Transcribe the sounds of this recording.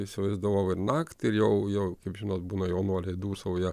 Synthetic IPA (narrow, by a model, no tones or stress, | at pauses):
ɪsʲɪʋɐɪzd̪ɐʋɐʊɪɾnɑːkt̪ʲɪɾjɛʊjɛʊkɐɪpʒʲɪnoːt̪̚buːnɐjoːnuɔlʲɛɪd̪uːsɑʋoːjɛ